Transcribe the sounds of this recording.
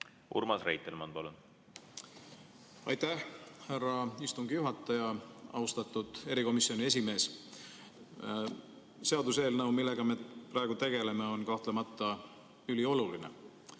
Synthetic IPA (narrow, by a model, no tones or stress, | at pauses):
ṵɾmɑsrḛjt̪ːˑelmɑnpɑlun | ɑ̰jt̪æhhærːɑist̪uŋɡijuɦɑt̪ːˑɑjɑʔɑ̰ust̪ɑt̪ːud̪̥e̞ɾiko̞misio̞nie̞sime̞ːs | se̞ɑd̪use̞ːlnɤwmilːe̞ɡ̥ɑmepɾɑe̞ɡ̥ut̪e̞ɡ̥e̞le̞me̞o̞nkɑht̪lemɑt̪ˑːɑ | ylio̞lulinḛ